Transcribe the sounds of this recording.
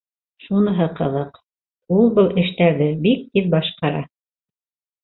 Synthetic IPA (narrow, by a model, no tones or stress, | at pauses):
ʃunɤ̆ɦɤqɤ̆ðɤq | ulˠbɤlˠʔɘ̆ʃt̪æɾðɘbik̚t̪ipbɑʃqɑɾɑ̰